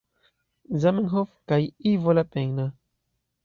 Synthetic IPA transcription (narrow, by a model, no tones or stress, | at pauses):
zamɛŋɦofkajivolapeŋna